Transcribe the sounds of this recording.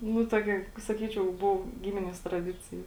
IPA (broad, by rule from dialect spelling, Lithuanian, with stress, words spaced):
nʊ ˈtoːkʲɛ sɐˈkʲiːt͡ʃʲɛʊ ˈbʊʋoː ˈɡʲɪmʲɪnʲiɛs trɐˈdʲɪt͡sʲɪjɛ